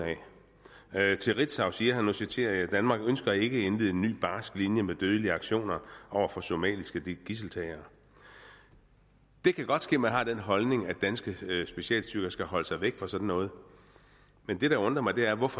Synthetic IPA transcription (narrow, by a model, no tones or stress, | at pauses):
ɛ | t͡sʰe̝ʁid̥sɑ̈ʊsiːɐɦænːusit͡sʰe̝̰ːɐæd̥ænmɑ̈ːɡ̥ønsɡ̥ɐæe̝ɡ̥əenʋiðˠe̝nːy̰ːb̥ɑ̈ːsɡ̥linjəmed̥øð̞ˠəliəɑ̈ɡ̥ɕo̝̰ːnɐʔɒʊ̰ɐfɒ̽so̝mɛ̰ːlisɡ̥əd̥ɡ̥is̬l̩t͡sʰɛɪɐː | d̥e̝kʰæɡ̥ɒ̽d̥sɡ̥e̝̰ːmænɦɑ̈ːd̥enɦɒ̽lne̝ŋæd̥ænsɡ̥əsb̥e̝ɕiɛ̰ːlsd̥yɡ̥ɐsɡ̥æɦɒ̽ləsɑ̈ɪʋeɡ̥fʁɑsɒ̽d̥n̩ːɔ̽ːð̞̩ˠ | mend̥e̝ɾ̥ɑ̈ɔ̽nd̥ʁɐmɑ̈ɪd̥e̝æɐʋɒfɒ